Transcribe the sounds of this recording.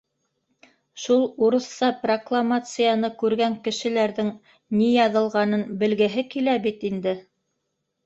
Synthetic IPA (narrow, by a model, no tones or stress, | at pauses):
ʃulˠuɾɤ̆θːɑproklˠamat̪sɨjanɤkʉɾɡæŋkɘ̆ʃɘ̆læɾðɘŋ | nijɑðɤ̆lˠʁɑnɤnbɘ̆lɡɘ̆ɦɘkilæbit̪ind̪ɘ